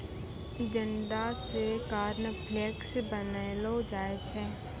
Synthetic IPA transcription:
d͡ʒəɳɖasekaːɾnəpʰleːksbənelod͡ʒaːet͡ʃʰɛː

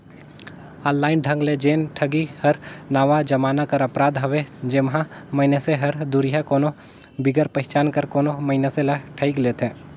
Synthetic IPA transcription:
aːnːaːɪnɖʱə̃ŋɡled͡ʒeːnʈʰəɡihɐɾnaːʋad͡ʒəmaːnakəɾɐpɾaːd̪ɦɐʋed͡ʒɪmɦãməɪneseɦɐɾd̪uɾɪjakoːno | bɪɡəɾpɛɦt͡ʃaːnkəɾkoːnoməɪneselɐʈʰəikleːt̪ʰẽː

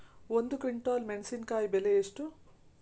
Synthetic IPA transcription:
ond̪ukʋiɳʈaːlmeɳsiːnkaːjibeleeʂʈu

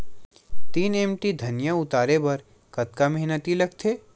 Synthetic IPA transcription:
t̪iːnɛmʈid̪ʱɐnjaʊt̪aːɾebɐɾ | kɐt̪kamɐɦnət̪ilɐɡt̪ʰeː

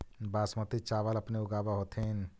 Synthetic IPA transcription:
baːsmət̪it͡ʃaːʋəlɐpneʊɡaːbaɦoːt̪ʰen

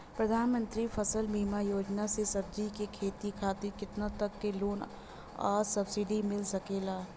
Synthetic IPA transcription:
pɾɐd̪ʱaːnmə̃nt̪ɾifʰɐsəlmimajoːd͡ʒnasesɐb̚d͡ʒikekʰeːt̪ikʰaːt̪ɪkɪt̪nat̪ɐkːeloːn | a̰ːɾsɐbsɪɖimɪlsɐkeːlaː

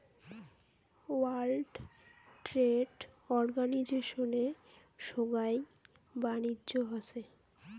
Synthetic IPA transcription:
walɖʈɾeɖɔɾɡanid͡ʑeʃone | ʃoɡaj | banidʑoɦat͡ɕʰe

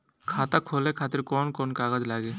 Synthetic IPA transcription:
kʰat̪akʰolɛkʰat̪iɾkɔnkɔnkaɡad͡ʒlaɡɛ

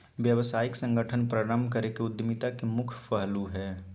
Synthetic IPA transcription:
ʋjəʋsaːjɪksə̃ŋɡəʈʰənpɾaɾəmbʱkəɾekeʊd̪jmit̪akemʊkʰpəɦluɦɛː

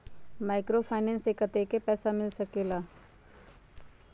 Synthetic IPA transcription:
maːɪkɾopʰaːɪnɛ̃ːnseːkət̪ekepɛːsamɪlsɐkeːlaː

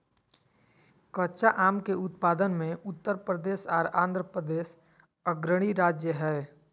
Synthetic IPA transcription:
kətːʃaʔaːmkeʊt̪paːd̪ənmẽʊt̪ːəɾpɾəd̪eːʃaːɾãːnd̪ʱɾəpɾəd̪eːʃ | əɡɾəɽ̃iɾaːd͡ʒjəɦɛː

